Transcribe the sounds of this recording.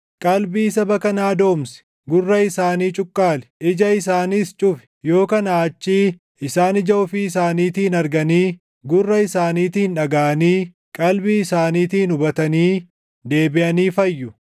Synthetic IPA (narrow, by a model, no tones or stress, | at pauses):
kʼɐlbiːsɐbɐkɐnaːd̪o̞ːmsɛ̥ | ɡʊrːɐɪsaːniːt͡ʃʼʊkʼːaːlɛ̥ʔɪd͡ʒɐɪsaːnist͡ʃʼʊfɛ̥jo̞ːkɐnaːt͡ʃːiː | ɪsaːnɪd͡ʒɐʔʊfɪɪsaːniːt̪iːnɐɾɡɐniː | ɡʊrːɐɪsaːniːt̪iːnᶑɐɡaːʔɐniː | kʼɐlbiɪsaːniːt̪iːnʊbɐt̪ɐniː | d̪e̞ːbɪʔɐniːfɐjːʊ